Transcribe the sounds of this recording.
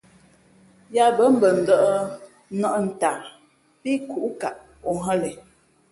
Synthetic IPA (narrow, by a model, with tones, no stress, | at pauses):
ja˦bə˦m̩˦bə˨n̩˨də˦˨ʔə˦ | nɔ˦ʔn̩˨ta˨ | pi˦ku˨ʔka˨ʔ | o˨ɦə˦lɛ˨